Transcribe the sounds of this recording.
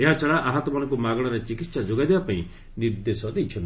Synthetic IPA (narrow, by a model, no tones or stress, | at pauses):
eɦat͡ʃɔɭaʔaɦãt̪ɔmanɔŋkumaɡɽ̃ɔɾet͡ʃikit̪sad͡ʒoɡad̪ebapaĩ | niɾd̪esɔd̪ejt͡ʃʰɔn